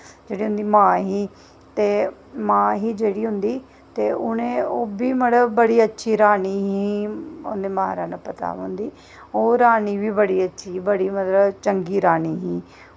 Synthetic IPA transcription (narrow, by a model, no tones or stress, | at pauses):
d͡ʒeːɽiːɦʊ̃nd̪iːmãːɦiː | t̪eː | mãːɦiːd͡ʒeːɽiːɦʊ̃nd̪iː | t̪eːʊnẽːoːbiːməɽəbəɽiːətːʃʰiːɾaːniːɦiːʊnd̪eːmaːɾaːnaːpət̪a̰ːɦʊ̃nd̪iː | oːɾaːniːʋiːbəɽiːətːʃʰiːbəɽiːmət̪ləbt͡ʃəŋɡiːɾaːniːɦĩː